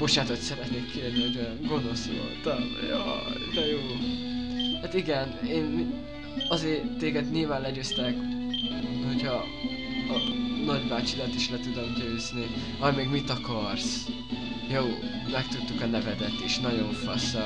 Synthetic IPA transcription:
b̥o̞ʃaːt̪ot̪sɛɾɛt̪neːkʰːeːrnioɟøɡo̞no̞sjo̰t̪ɒ̰mjɑ̰ːd̪ɛjoː | haːt̪iɡɛneːn | ɒzeːrt̪ːeːɡɛd̪ɲilvaːnlɛɟøːst̪ɛk | ho̞cʰɒ | nɒɟbaːt͡ʃilɒt̪iʃlɛt̪ud̪omɟøːzni | ɒmeːɡmit̪ɒkɒrs | joː | mɛkt̪ut̪ːukɒnɛvɛd̪ɛt̪iʃnɒɟo̞ɱfɒsɒ

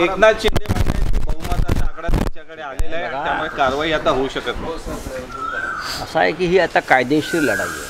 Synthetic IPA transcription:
eknat͡ɕeniməleibəɡmat̪asãkɽat̪ja̰t͡ɕjakəɽealelaet̪ɡajaɭekaɾʋaɦiːat̪aɦouɕəkət̪n | əsaekiːɦiːat̪akajd̪eɕiləɽa̰lːḛ

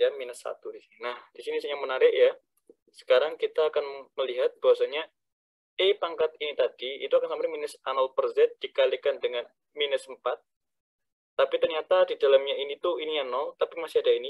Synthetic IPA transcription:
jaminəsa̰t̪udisininahd̥isinisɲaŋmənaɾɪʔja | sə̥kaɾaŋkit̪aːkanməliɦat̪̚b̥aɦasaɲa | epaŋkat̪̚init̪adḭːt̪uakansampaminəsanɔlpərzɛt̪̚d̥ikalikandəŋan | minəsəmpat̪̚ː | apit̪ərɲat̪adidalamɲainit̪uinianɔlt̪apimasiadaini

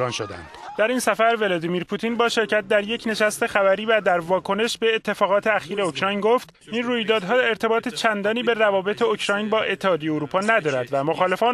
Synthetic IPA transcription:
ɒnʃod̪æ̰ndd̪̥d̪̥æɾiːnsæfæɾve̞lɒːd̪imiɾpʰut̪ʰinbɒːʃe̞ɾcæt̪̚d̪æɾje̞cʰne̞ʃæst̪e̞xævæɾiːvæd̪æɾvɒːkʰo̞ne̞ʃbe̞ːt̪ʰːe̞fɒːɣɒːt̪ʰe̞æxiːɾeocʰɾɒːjnɡo̞ft̪ | inruːjd̪ɒːd̪ɦɒːe̞ɾt̪ʰe̞bɒːt̪ʰe̞t͡ʃʰænd̪ɒːniːbe̞rævɒːbe̞t̪ʰeocʰɾɒjnbɒːʔe̞t̪ʰːehɒːd̪ejeoɾuːpʰɒːnæd̪ɒːɾæd̪væmo̞xɒːle̞fɒːn

